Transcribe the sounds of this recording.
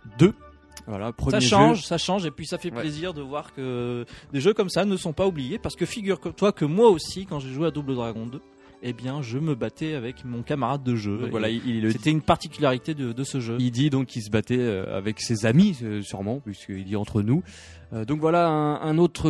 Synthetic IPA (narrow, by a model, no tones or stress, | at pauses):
d̪ø | vwa̰lapχəmsajeʃɑ̃ø̃ʒsaʃɑ̃ʒepɥisafɛpleziʁd̪əvwaʁkəd̪eʒøkɔmsanəsɔ̃paublijepaʁsə̥kəfiɡʲyʁt̪wakəmwaosikɑ̃ʒeʒwead̪ubləd̪ʁaɡɔ̃d̪ø | ebjɛ̃ʒəməbat̪ɛavɛkmɔ̃kamaʁad̪̚ːəʒø̃vwalaiilɛləset̪ɛynpaʁt̪ikʲylaʁit̪ed̪əd̪əsəʒøild̪id̪ɔ̃kʰːils̬əbat̪ɛø̰a̰vɛksezamiøsyʁmɑ̃piskəiliɑ̃t̪χənu | ød̪ɔ̃kvwalaɛ̃ɛ̃not̪χə